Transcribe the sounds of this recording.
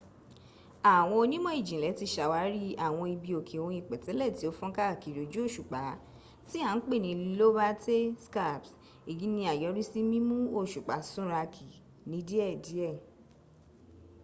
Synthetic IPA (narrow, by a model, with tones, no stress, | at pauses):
a˨w̃ɔ̃˧o˧nĩ˦mɔ̃˦i˦˨d͡ʒĩ˨lɛ˨˦ti˧ʃa˨wa˨˦ɾi˦a˦˨w̃ɔ̃˧i˧bi˧o˨kʰe˨o˧j̃ĩ˨˧˨k͡pɛ˨tɛ˨˦lɛ˦˨ti˨˦o˦fɔ̃˦ka˦˨ki˨ɾo˨d͡ʒu˦o˦˨ʃu˨k͡pa˨˦ | ti˦a˨˦n̩˦k͡pe˦˨nĩ˧llo˦ba˦te˦ska˦˨ps | i˨ji˨˦nĩ˧a˨jɔ˨˦ɾi˦si˦mĩ˦mũ˦o˦˨ʃu˨k͡pa˨˦sũ˦ɾa˧kʰi˨ | nĩ˧˦di˦ɛ˦˨di˨˦ɛ˦˨